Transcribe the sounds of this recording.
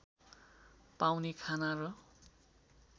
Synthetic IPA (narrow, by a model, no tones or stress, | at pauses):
pawnikʰanarʌ